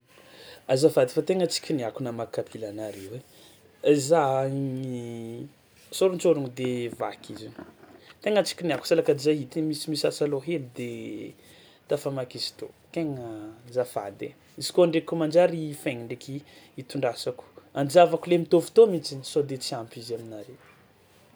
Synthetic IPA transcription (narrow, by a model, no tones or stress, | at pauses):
azafad̪fat̪eŋət͡si̥kʲiniakunamakapʰilanaɾewe | zai | soɾunt͡soɾuŋd̪eva̰kʰizit̪eŋət͡si̥kʲiniaku̥salakaizaɦit̪imisimisasaloɦemid̪e | t̪afamakizi̥t̪okeŋəzafa̰d̪ḛ | izi̥koɳɖ͡ʐekumand͡ʒaɾifeŋiɳɖ͡ʐekiit̪uɳɖ͡ʐasaku̥and͡ʒavakulemit̪ovu̥t̪omit͡sinsod̪et͡siampizaminaɾew